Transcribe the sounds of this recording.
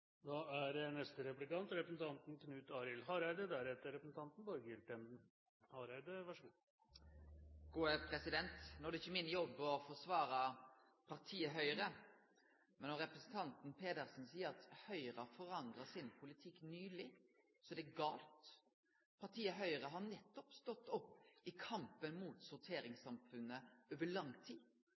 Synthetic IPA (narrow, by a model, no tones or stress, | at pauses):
d̪ɑæɾɛnɛst̪əɾɛplɪkɑnt̪ɾɛpɾəsn̩t̪ʰɑnt̪n̩kʰnʉːt̪ɑːɾɪlhɑɾæɪd̪əd̪æɾɛt̪ːəɾɛpəsn̩t̪ʰɑnt̪n̩bɑːɾəɡɪɾt̪ɛm | hɑɾæɪd̪əʋæʂɡ | ɡ̥uːəpʰɾɛsɪd̪ɛnt̪noːæd̪ɛɪçːəmɪnːjɔbːɔfɔsʋɑːɾɑ | pʰɑʁt̪ʰiːəɦœʏɾə | mɛnːɔɾɛpɾɛsn̩t̪ʰɑnt̪n̩pʰeːd̪əɾsn̩siːəɾɑt̪hœʏɾɑfɔɾɑnd̪ʁɑsɪnpʰʊlɪt̪ʰɪkːnyːlɪ | sɔd̪ɛɡɑːlt̪ | pʰɑʁʈ̪ʰiːəɦœʏəɾəɦɑɾnɛt̪ːɔpst̪ɔt̪ːɔpːɪkʰɑmpənmuːt̪sʊɾt̪ʰeːɾɪŋsɑmfʉnːəoːʋəɭɑŋt̪ʰiː